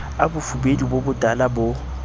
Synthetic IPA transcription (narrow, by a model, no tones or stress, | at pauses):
abʊfubedibobʊtʼalabʊ